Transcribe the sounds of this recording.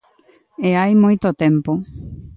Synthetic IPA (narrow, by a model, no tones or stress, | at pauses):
eajmojt̪ot̪ẽmpo